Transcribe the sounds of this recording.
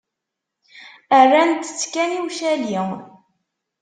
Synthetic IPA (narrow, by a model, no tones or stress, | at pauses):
ərːænt̪ːə̥t͡sːkæniwʃæli